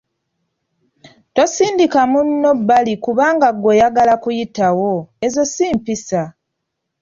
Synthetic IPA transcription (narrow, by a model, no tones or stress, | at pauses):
twosiːndikamunːo̞bːalikuβaːŋɡaɡo̞jaɡalakujitawo̞ezo̞siːmpisa